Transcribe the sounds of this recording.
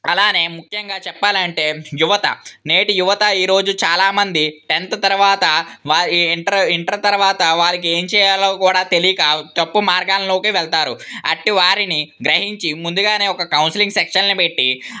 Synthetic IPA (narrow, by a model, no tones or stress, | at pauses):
ɐlaːne̞ːmukʰjɐŋɡaːt͡ʃɛpːaːliɐɳʈe̞ːjuʋɐt̪ɐ̰ne̞ːʈijuʋɐt̪ɐiːɾo̞ːd͡ʒut͡ʃaːlaːmɐnd̪iʈent̪ɐt̪ɐɾuʋaːt̪ɐʋaːɳʈɐɾiɳʈɐɾɐt̪ɐɾɐʋaːt̪ɐʋaːlɐk̬ie̞ːɲt͡ʃɛːjaːloːkuːɽaːt̪elijkaːt̪ɐpːumaːɾɡaːlɐloːkiʋɛɭt̪aːɾuɐ̰ʈːiʋaːɾiniɡɾɐɦiɲt͡ʃimund̪uɡaːne̞ːɔkɐkɐwnsiliŋɡsekʂɐnnipe̞ʈːi